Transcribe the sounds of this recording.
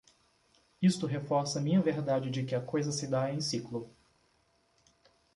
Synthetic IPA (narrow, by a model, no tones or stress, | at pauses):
ist̪ʊɦefɔɾsɐmĩɲɐveɾd̪ad͡ʒɪd͡ʒɪkɪɐkojzɐsɪd̪aẽj̃siklʊ